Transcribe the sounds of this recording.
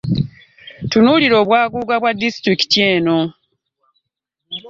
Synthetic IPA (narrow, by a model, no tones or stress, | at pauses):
tunuliɾo̞ːβwaːɡuːɡaβwadːistɾiki̥tieːno̞